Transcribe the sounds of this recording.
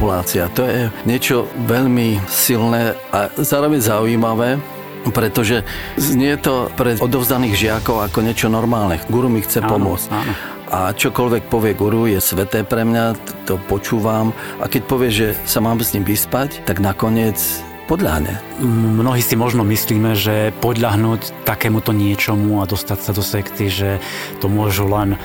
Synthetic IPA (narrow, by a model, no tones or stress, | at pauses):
pulaːt͡siat̪ɔjɛɲɪɛt͡ʃɔʋɛʎmisilnɛːʔazaːɾɔʋɛɲzauiːmaʋɛː | pɾɛt̪ɔʒɛɲɪɛɛt̪ɔpɾɛʔɔd̪ɔʊzd̪aniːɣʒɪakɔʊakɔɲɪɛt͡ʃɔnɔɾmaːlnɛɡuɾumixt͡sɛpɔmʊɔt͡scan | ʔat͡ʃɔkɔlʋɛk̚pɔʋɪɛɡuɾujɛsʋɛt̪ɛːpɾɛmɲat̪ɔpɔt͡ʃuːʋam | ʔa̰kɛc̚pɔʋɪɛʒʒɛsamaːmsɲimʋispact̪aɡnakɔɲɪɛt͡s | pɔd̪ʎa̰ɦɲɛ̰ | mnɔɦiːsimɔʒnɔmisliːmɛʒɛpɔd̪ʎaɦnuːc | t̪akɛːmut̪ɔɲɪɛt͡ʃɔmuad̪ɔst̪acsad̪ɔsɛkt̪iʒɛt̪ɔmʊɔʒulɛn